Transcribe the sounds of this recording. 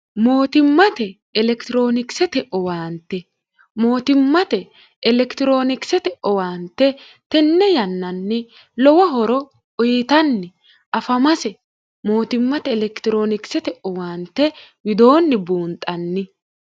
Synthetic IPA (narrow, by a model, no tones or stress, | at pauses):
mo̞ːt̪ɪmːɐt̪ɛː | lɛkt̪ɪɾo̞ːnɪksɛt̪ɛʔɔwaːnt̪ːɛ | mo̞ːt̪ɪmːɐt̪ɛ | ɛlɛkt̪ɪɾo̞ːnɪksɛt̪ɛʔɔwaːnt̪ːɛ | t̪ɛnːɛjɐnːɐnːɪ | lɔwɐɦɔɾɔ | ɔjɪt̪ɐnːɪ | ʔɐfɐmɐsɛ | mo̞ːt̪ɪmːɐt̪ɛːlɛkt̪ɪɾo̞ːnɪksɛt̪ɛʔɔwaːnt̪ːɛwɪd̪o̞ːnːɪbuːnt̪ʼːɐnːɪ